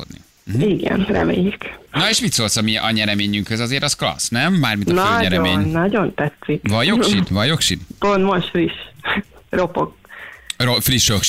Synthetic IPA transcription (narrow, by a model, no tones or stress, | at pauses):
o̰d̪nḭ | iɡɛ̰nrɛ̰mḛːjiknɒeːʃmit̪soːltsɒmiʔɒɲɛɾɛmeːɲyŋkhøzɒzeːɾɒsklɒ̰snɛmbaːrminnɲɛɾɛomeːɲnːɒɟo̞nt̪ɛt̪sikvɒjoʃit̪vɒjo̞kʃit̪pont̪moʃfriʃ | ropok̚rofriʃjokʃ